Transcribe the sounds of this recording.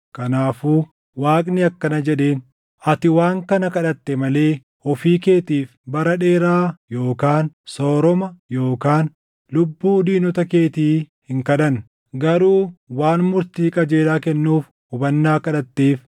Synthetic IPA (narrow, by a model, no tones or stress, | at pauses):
kɐnaːfuː | waːkʼnɪɐkːɐnɐd͡ʒɛᶑe̞ːn | ɐt̪ɪwaːŋkɐnɐkɐᶑɐt̪ːɛmɐle̞ː | ɔfiːke̞ːt̪iːfbɐɾɐᶑe̞ːɾaːjo̞ːkaːnso̞ːɾɔmɐjo̞ːkaːn | lʊbːuːd̪iːnɔt̪ɐke̞ːt̪iː | hɪŋkɐᶑɐn | ɡɐɾuːwaːnmʊɾt̪iːkʼɐd͡ʒe̞ːlaːkɛnːuːf | ʊbɐnːaːkɐᶑɐt̪ːeːf